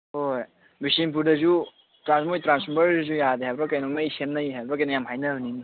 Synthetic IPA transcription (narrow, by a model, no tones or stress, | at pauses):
hoj | bisimp̬uɾdɐzu | tɾansmojtɾansbɐɾdzujadeɦajbɾɔkajnɔknajsemnajiɦajbɾɔk̬ajnajamɦajnɐɯnin